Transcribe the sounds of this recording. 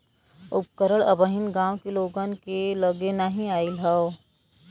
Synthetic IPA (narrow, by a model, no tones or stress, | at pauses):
ʊp̚kəɾəɭɐbəɦɪnɡãːwkeloːɡankeləɡenaɦĩaːilɦɐo